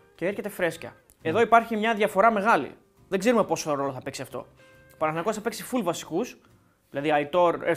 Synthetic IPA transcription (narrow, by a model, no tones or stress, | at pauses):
ceeɾçe̞t̪e̞fɾe̞scɐ̰ | e̞ðo̞ipɐɾçimɲɐðʝɐfo̞ɾɐme̞ɣɐlḭ | ðe̞ɡze̞ɾume̞po̞soɾo̞loθɐpeksiɐft̪o̞̰ | pɐnɐθnɐkot̪sθɐpeksifulvɐsi̥kus | ðilɐðiɐit̪o̞ɾe